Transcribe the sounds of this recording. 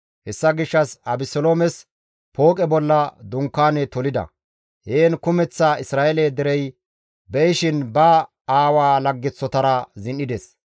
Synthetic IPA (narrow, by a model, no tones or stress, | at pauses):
hɛsːɐɡɪʃːɐsɐbɪsɔloːmɛs | po̞ːkʼɛbɔlːɐd̪ʊŋkːaːnɛt̪ɔlɪd̪ɐ̰ | heːnkʊmɛt͡sːaːɪsɾaːʔɛleːd̪ɛɾɛj | bɛjɪʃɪnbɐ | aːwaːlɐɡːɪt͡sːɔt̪ɐɾɐzɪnːɪd̪ɛs